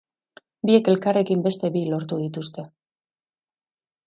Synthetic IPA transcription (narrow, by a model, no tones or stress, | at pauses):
bie̞ke̞lkare̞kimbe̞st̪e̞βilo̞ɾt̪uð̞it̪ust̪e̞